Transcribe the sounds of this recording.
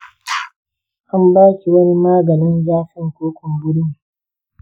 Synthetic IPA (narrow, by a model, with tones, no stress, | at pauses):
ʔa˦mbaː˦kʲi˨wɐ˦ni˦maː˦ɡɐ˨nɪ˦nzaː˦sɪ˦ŋkʷoː˦kʷʊ˨mbʊ˦ɽmi˨